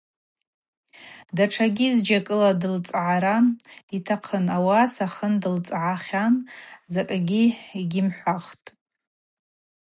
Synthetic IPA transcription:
daʈ͡ʂʰaɡʲizd͡ʒakʼɨladɨlt͡sʼʕaɾaitʰaqʰənawasaχəndɨlt͡sʼʕaχʲanzakʼaɡʲiiɡʲɪmħʷaχtʼ

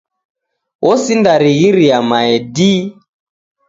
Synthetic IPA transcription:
ɔsindaɾiɣiɾiamaɛdi

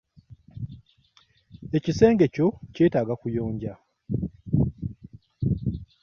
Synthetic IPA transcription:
e̞cise̞ːŋɡe̞co̞ceːtaːɡakujo̞ːɲɟa

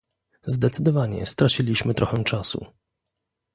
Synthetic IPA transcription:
zd̪ɛt̪sɘd̪ɔvaɲɛ̰st̪ɾat͡ɕilʲiɕmɘt̪ɾʔɔxɛw̃t͡ʂasṵ

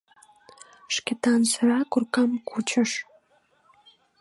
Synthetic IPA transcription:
ʃkʲet̪ɑnsəɾɑkurkɑmkut͡ɕəʃ

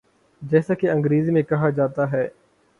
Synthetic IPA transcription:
d͡ʒɛːsaːkeə̃ŋɡɾiːziːmẽkɐɦad͡ʒaːt̪aɦɛː

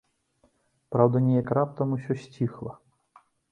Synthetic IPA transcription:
pɾawd̪ɐnʲɛjɐkɾap̚t̪ɐmusʲɔsʲt͡sʲixlˠɐ

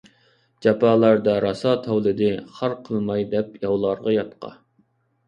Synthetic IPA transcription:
d͡ʒɑpʰɑːlˠɑɾd̪ɑɾɑsɑt̪ʰɛwlˠɨd̪ɪχɑɾqʰəlˠmɑjd̪ɛpjɑwlˠɑɾʁɑjɑt̪qʰɑ̰

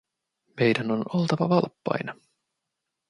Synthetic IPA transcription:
me̞jdæno̞no̞lt̪ɑʋɑʋɑlpːɑ̰jnɑ

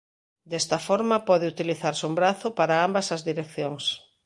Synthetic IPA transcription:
d̪ɛst̪ɐfɔɾmɐpɔðɪut̪iliθaɾsumbɾaθʊpaɾaambɐsɐzðiɾek̚θjoŋs

